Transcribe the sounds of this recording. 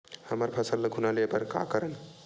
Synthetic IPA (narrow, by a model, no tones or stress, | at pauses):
həməɾpʰəsəlːəkʰunalepəɾka̰kəɾən